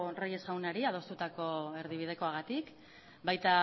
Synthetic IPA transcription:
raje̞szɣawnaɾiað̞o̞st̪ut̪ako̞e̞ɾðiβið̞e̞ko̞aɣ̞at̪ik | bajt̪a

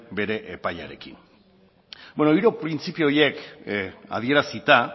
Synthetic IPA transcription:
be̞ɾe̞ʔepaja̰ɾe̞̰kin | bwenoiɾo̞pɾint͡sipioo̞je̞k | a̰ðie̞ɾasit̪a

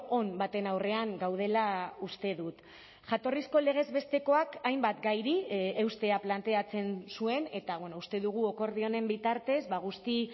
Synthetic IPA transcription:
onbat̪e̞nawre̞aŋɡawð̞e̞laust̪e̞ðut̪ | ʝat̪o̞risko̞le̞ɣ̞e̞zβe̞st̪e̞ko̞akajmbat̪ɡajɾie̞wst̪e̞aplant̪e̞at͡se̞nsue̞ne̞t̪aβwenoust̪e̞ðuɣ̞uoko̞ɾð̞io̞ne̞mbit̪aɾt̪e̞zβaɣ̞ust̪i

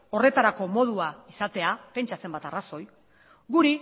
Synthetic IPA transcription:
o̞re̞t̪aɾako̞mo̞ð̞uaisat̪e̞ape̞nt͡ʃase̞mbat̪araso̞j | ɡuɾi

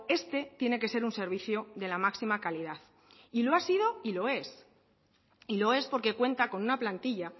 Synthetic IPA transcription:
e̞st̪e̞t̪je̞ne̞ke̞se̞ɾunse̞ɾβ̞iθjo̞ðe̞lamaksimakalið̞aθ | ilo̞asið̞o̞ilo̞e̞s | ilo̞e̞spo̞ɾke̞kwe̞nt̪ako̞nũnaplant̪iʝa

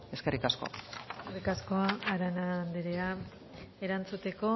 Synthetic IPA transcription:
e̞ske̞rikasko̞̰a̰skerikasko̞aːɾanand̪eɾe̞a | e̞ɾant͡sut̪e̞ko̞

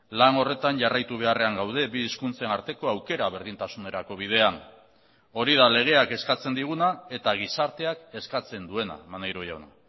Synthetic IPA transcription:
lano̞re̞t̪anʝarajt̪uβ̞e̞are̞aŋɡawð̞e̞biːskunt͡se̞naɾt̪e̞ko̞awke̞ɾaβ̞e̞ɾðint̪asune̞ɾako̞β̞ið̞e̞an | o̞ɾið̞ale̞ɣ̞e̞ake̞skat͡se̞nd̪iɣ̞unae̞t̪aɣ̞isaɾt̪e̞ake̞skat͡se̞nd̪ue̞na̰manejɾoja̰wna

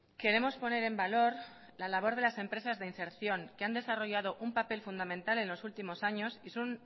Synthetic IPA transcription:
ke̞ɾe̞mo̞spo̞ne̞ɾe̞mbalo̞ɾ | lalaβ̞o̞ɾð̞e̞lase̞mpɾe̞sazðe̞inse̞ɾθjo̞ŋkeand̪e̞saro̞ʝað̞o̞ʔumpape̞lfund̪amẽ̞nt̪ale̞nlo̞sult̪imo̞saɲo̞sisun

